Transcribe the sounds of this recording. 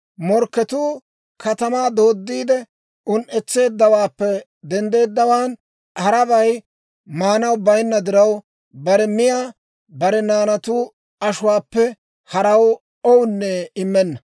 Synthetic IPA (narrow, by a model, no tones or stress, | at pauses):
mɔɾkːɛt̪uː | kʰɐt̪ɐmaːd̪o̞ːd̪ːiːd̪ɛ | ʊnʔɛt͡sːe̞ːd̪ːɐwaːpːɛ | d̪ɛnd̪e̞ːd̪ːɐwaːn | hɐɾɐbɐj | maːnɐwbɐjnːɐd̪ɪɾɐw | bɐɾɛmɪjaː | bɐɾɛnaːnɐt̪uː | ɐʃʊwaːpːɛ | hɐɾɐw | ɔwnːɛɪmːɛnːɐ